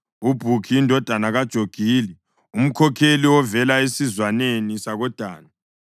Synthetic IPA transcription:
ub̥ʱukʰiːndʱɔd̥ʱanaɣad̥ʒ̥ʱoɡ̥ʱiːli | um̩kʰɔkʰeliwɔvɛlaesizwanenisaɣɔd̥ʱaːna

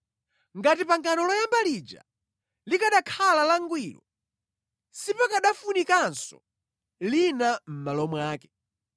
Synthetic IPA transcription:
ŋɡatipaŋkanɔlɔjambalid͡ʒa̰ | likaɗakʰalalaŋɡwiːlɔ̰ | sipɔkaɗafunikansɔ̰ | linam̩malɔmwaːkɛ̥

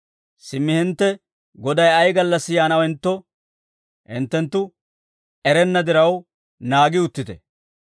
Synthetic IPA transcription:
sɪmːɪhɪnt̪ːɛ | ɡɔd̪ɐjɐjɡɐlːɐsːɪjaːnɐwɪnt̪ːɔ | hɪ̰nt̪ːɛnt̪ːʊ | ɛɾɛnːɐd̪ɪɾɐw | naːɡɪʊt̪ːɪt̪ɛ

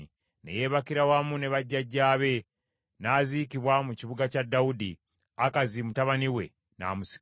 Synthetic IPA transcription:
nḛje̞βakiɾawamune̞βaɟːaɟːaːβe̞ | naziːkiβwamuciβuɡacadːaudḭ | akazimutaβaniwe̞̰ | na̰ːmusi̥

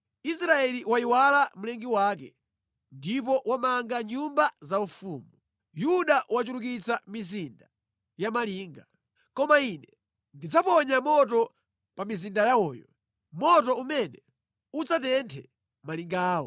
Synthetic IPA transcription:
is̬ɾaɛliwaiwalam̩lɛŋɡiwaːk̬ɛ̰ | ndipɔʔwamaŋɡaɲumbazaufuːmu | juɗaʔwat͡ʃuluk̬it͡samizinda | jamaliːŋɡa | kɔmainɛ | ndid͡zapɔɲamɔtɔ | pamizindajaɔːjɔ | mɔtɔumɛnɛ | ud͡zatɛntʰɛ | maliŋɡaːwɔ̰

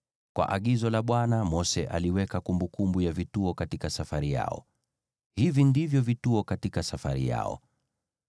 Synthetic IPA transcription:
kwʔa̰ʔaɠizɔlaɓwanamɔsɛʔa̰liwɛkakumbukumbujavituɔkatikasafaɾija̰ɔ̰ | hivindivjɔvituɔkatikasafaɾḭja̰ɔ̰

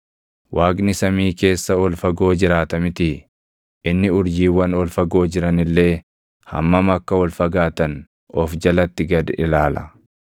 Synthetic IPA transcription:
wʔaːkʼnɪsɐmiːke̞ːsːɐɔlfɐɡo̞ːd͡ʒɪɾaːt̪ɐmɪt̪ɪ | ʔɪnːɪʊɾd͡ʒiːwɐnɔlfɐɡo̞ːd͡ʒɪɾɐnɪlːe̞ː | hɐ̰mːɐmɐkːɐwɔlfɐɡaːt̪ɐn | ʔɔfd͡ʒɐlɐt̪ːɪɡɐd̪ɪlaːlɐ

